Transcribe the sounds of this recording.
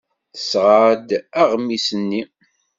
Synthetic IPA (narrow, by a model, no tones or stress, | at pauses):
θə̥sʁəɾd̪aʁmːisənːi